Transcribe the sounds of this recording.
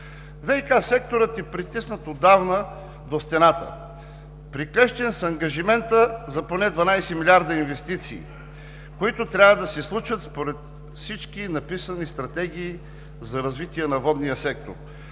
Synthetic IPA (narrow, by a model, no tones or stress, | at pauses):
vɛikasɛk̚t̪oɾət̪ɛpɾit̪isnət̪od̪avnə | d̪ost̪ɛnat̪ə̰ | pɾiklɛʃt̪ɛnsɐŋɡɐʒimɛnt̪əzɐponɛd̪vɐnajsɛmilʲiaɾd̪ɐinvɛst̪it̪sḭː | koit̪ʊt̪ɾʲavɐd̪ɐsɛslˠut͡ʃət̪spoɾɛt̪ | fsit͡ʃkinɐpisənist̪ɾɐt̪ɛɡ̟iː | zɐɾɐzvit̪ʲiɛnɐvɔd̪nijəsɛk̚t̪o̰ɾ